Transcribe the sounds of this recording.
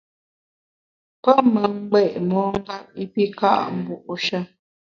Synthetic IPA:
pə˦mə˨ŋ̩˦ɡ͡bɛ˦˨ʔmɔː˨˦ŋ˦ɡa˦p̚i˦pi˦ka̰˦ʔm̩˨bu˦˨ʔʃə˦

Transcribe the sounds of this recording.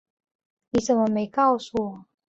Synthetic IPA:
ni˨˥ʂə˨˩nmə˦me˧˥ɪkɑ˥˩ʊsu˥˩wɔ˨˩˦

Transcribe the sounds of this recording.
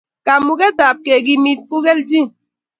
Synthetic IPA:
ka˨mu˨kɛ˦ta˨p̚ke˨ɡi˨mi˦t̚ku˦ɡɛ˦ld͡ʒi˦

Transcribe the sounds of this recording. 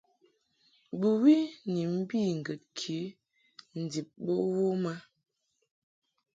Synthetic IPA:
bu˨wi˦ni˨m̩˦bi˦˨ŋ̩˨ɡə˨t̚kʰi˨˦ | n̩˨di˨p̚bo˦wo˦ma˦

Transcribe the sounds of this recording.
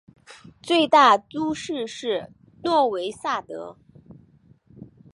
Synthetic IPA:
t͡swe˥˧ɪt̪a˥˩t͡su˥ʂɻ̩˥˧ʂɻ̩˥˩ | lwɔ˥˩we˧˥ɪsa˥˩t̪ɤ̰˧˥

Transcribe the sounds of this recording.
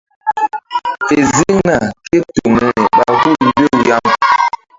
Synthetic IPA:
te˨zi˦ŋna˨ke˦to˨mɛ˨ɓa˨ɡu˦˨bo˦˨ja˦m

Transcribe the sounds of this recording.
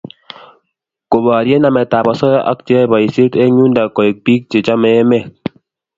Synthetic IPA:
ko˨ba˨ɾjɛ˦na˨mɛ˨ta˨ba˨sɔ˦jɔ˦ʔa̰˦k̚t͡ʃɛ˦ba˨i˨si˦tɛ˦ɲu˦nda˨kɔ˨e˨k̚pi˦k̚t͡ʃe˨t͡ʃa˦mɛ˨ɛ˦mɛ˦˨k̚

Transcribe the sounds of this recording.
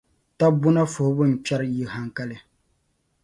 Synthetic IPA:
ta˦bʊ˦na˦fʊ˨hʊ˦bʊ˦n̩˨pɛ˦ɾji˨ha˨ŋka˦lɨ˦

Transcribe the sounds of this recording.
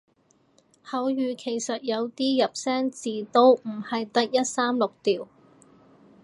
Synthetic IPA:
hɐ˨˥wjyː˨˧kʰe˨˩jsɐ˨t̚jɐ˨˧wt̪iː˥jɐ˨p̚sɛː˥ŋt͡siː˨t̪o˥wm̩˨˩hɐ˨jt̪ɐ˥k̚jɐ˥t̚saː˥mlʊ˨k̚t̪iː˨˩w

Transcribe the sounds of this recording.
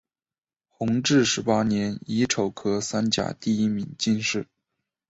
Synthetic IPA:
xʊ˧˥ŋʈ͡ʂɻ̩˥˩ʂɻ̩˧˥pa˥njɛ˧˥ni˧˥ʈ͡ʂʰo˨˩ʊkʰɤ˥sa˥nt͡ɕja̰˨˩t̪i˥˩i˥mi˨˩˦ŋt͡ɕi˥˧nʂɻ̩˥˩

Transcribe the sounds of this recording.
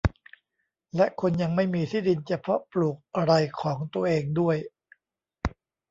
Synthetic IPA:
lɛ˦˥ʔkʰo˧nja˧ŋma˥˩jmiː˧t̪ʰiː˥˩di˧nt͡ɕa˧pʰɾɔ˦˥pluː˨˩k̚ʔa˧ɾa˧jkʰɔː˩˦ŋt̪u˧ɐʔeː˧ŋdu˥˩əj

